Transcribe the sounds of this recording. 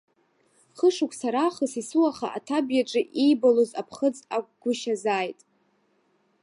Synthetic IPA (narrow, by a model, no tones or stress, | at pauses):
χəʂukʷʰsaɾaχəsisuaχaʔatʰabjaʈ͡ʂʼɨʔijbalozapʰχəd͡zakʷʼɡ̥ʷʊʃazaːjtʼ